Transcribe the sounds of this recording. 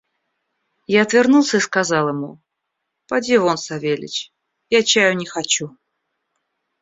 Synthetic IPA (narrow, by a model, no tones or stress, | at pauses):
jaɐt̪vʲɪrnulˠsʲəiskɐzɑlˠɪmu | pɐdʲivonsɐvʲelʲɪ̰t͡ɕ | jat͡ɕajʊnʲɪxɐt͡ɕu